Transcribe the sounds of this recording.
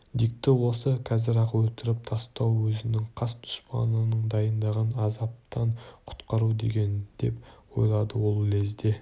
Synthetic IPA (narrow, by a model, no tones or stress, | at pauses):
d̪ik̚t̪ɪwo̞səkʲʰæzɪɾɑqwɵlt̪ɪɾɪp̚t̪ʰɑst̪ɑwwɵzɪnɪŋqʰɑst̪ʰʊ̥ʃpɑ̰nənəɴd̪ɑjənd̪ɑʁənɑzɑp̚t̪ɑɴqʰʊ̥t̪qɑɾud̪e̞̰ɡʲe̞nd̪̥e̞pwo̞̰jlˠɑd̪əwo̞lˠlezd̪e̞